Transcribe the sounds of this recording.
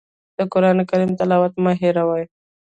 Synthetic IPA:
d̪̥əkʊɾɑnekaɾimt̪alɑwat̪mɑɦiɾawaj

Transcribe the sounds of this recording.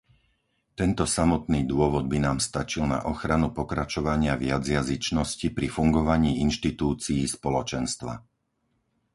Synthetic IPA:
t̪ɛnt̪ɔsamɔt̪niːd̪ʊɔʋɔd̪̚binaːmst̪at͡ʃilna̰ʔɔxɾanupɔkɾat͡ʃɔʋaɲɪaʋɪjad͡zjazit͡ʃnɔscipɾifuŋɡɔʋaɲiːinʃt̪it̪uːt͡siːspɔlɔt͡ʃɛnst̪ʋa̰

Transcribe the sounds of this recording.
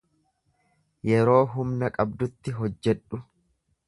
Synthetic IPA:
jɛɾo̞ːɦʊmnɐkʼɐbd̪ʊt̪ːɪɦɔd͡ʒːɛᶑʊ

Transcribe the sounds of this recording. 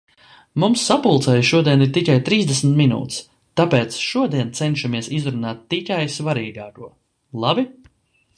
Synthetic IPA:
mumsːapulˠt̪sɛjʃuɔd̪iɛniɾt̪ikajt̪ɾiːzd̪esmt̪minṵːt̪s | t̪apeːt̪sʃuɔd̪iɛnt̪sɛnʃamiɛsizɾunaːt̪ːikajsvaɾiːɡaːkuɔ | lˠabi

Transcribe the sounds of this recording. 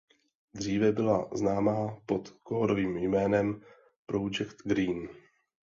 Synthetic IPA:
d̪r̝iːvɛbɪla̰znaːmaːpot̪koɦoɾoviːmjmɛːnɛm | pɾod͡ʒɛkt̪ɡɾiːn

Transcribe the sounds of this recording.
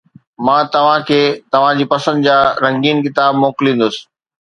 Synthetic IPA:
mãːt̪ɐʋ̤ãkʰeːt̪ɐʋ̤ãd͡ʑiːpɐsə̃nd̪d͡ʑaːɾɐ̃ŋɡiːnkɪt̪aːbmoːkɪlĩːn̆d̪ʊsɪ̥̆

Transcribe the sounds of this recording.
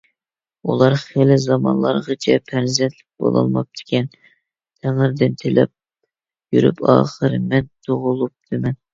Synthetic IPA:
ulˠɑɾχelɪzɑmɑ̰nlˠɑɾʁɑt͡ʃʰɛpʰɛɾzɛnt̪ʰlɪk̚ʲbo̰lˠɑ̰lˠmɑp̚t̪ʰɪ̥kʲʰɛn | t̪ʰæŋɨɾd̪ɪnt̪ʰelɛ̰p̚ | jyɾy̰pʰɑ̰ːχəɾmɛnt̪ʰoʁʊlˠup̚d̪ʰɨmɛn

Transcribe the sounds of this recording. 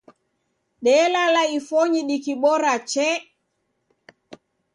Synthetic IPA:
ɗɛlalaifɔɲiɗikiɓɔɾat͡ʃɛ

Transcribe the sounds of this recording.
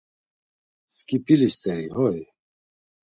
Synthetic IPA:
skipilist̪eɾiɦoj

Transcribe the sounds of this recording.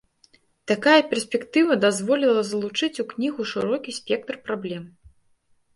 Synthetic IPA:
t̪akajɐpʲɛrsʲpʲɛkt̪ɨvɐd̪azvɔlʲilˠɐzɐlˠut͡ʂɨt͡sʲuknʲiɣuʂɨɾɔkʲisʲpʲɛk̚t̪rpɾablʲɛm

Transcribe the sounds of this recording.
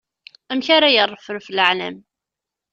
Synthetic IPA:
æmçaɾajərˤːəfəɾfələʕlæ̰m

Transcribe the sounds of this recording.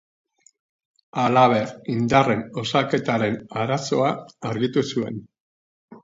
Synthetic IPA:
alaβ̞e̞ɾind̪are̞no̞sake̞t̪aɾe̞naɾaso̞aːɾɣit̪usue̞̰n

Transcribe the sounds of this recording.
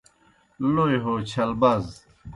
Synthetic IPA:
lojɦoːt͡ɕʰɐlbɐz

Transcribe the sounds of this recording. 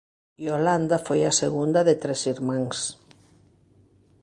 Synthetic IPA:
joland̪afojaseɣund̪ɐðet̪ɾesiɾmãŋs

